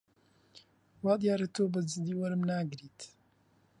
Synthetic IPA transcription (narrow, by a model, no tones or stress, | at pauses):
wɑːd̪jaːɾet̪oːbəzɨd̪iːwɐɾɨmnaːɡɨɾiːt̪